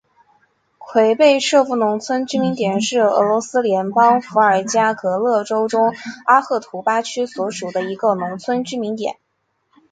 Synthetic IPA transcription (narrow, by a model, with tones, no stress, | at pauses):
kʰwe˧˥ɪpe˥˧ɪʂɤ˥˧fu˥˩nʊ˧˥ŋt͡sʰwə˥nʈ͡ʂɻ̩˥mi˧˥nt̪jɛ˨˩nʂɻ̩˥˩ɤ̰˧˥lwɔ˧˥sɹ̩˥ljɛ˧˥npɑ˥ŋfu˧˥ə˞˨˩t͡ɕja˥kɤ˧˥lɤ˥˩ʈ͡ʂo˥ʊʈ͡ʂʊ˥ŋa˥xɤ˥˩t̪ʰu˧˥pa˥t͡ɕʰy˥swɔ˧˥ʂu˨˩d̪ə˦i˧˥ɡə˧nʊ˧˥ŋt͡sʰwə˥nʈ͡ʂɻ̩˥mi˧˥nt̪jɛ̰˨˩˦n